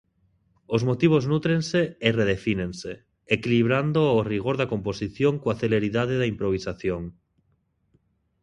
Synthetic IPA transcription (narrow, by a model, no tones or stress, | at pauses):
ozmot̪iβ̞oznut̪ɾenseereð̞efinẽnseː | kiliβɾand̪oːriɣ̞oɾðakõmposiθjoŋkoaθeleɾiðað̞eðaimpɾoβ̞isaθjoŋ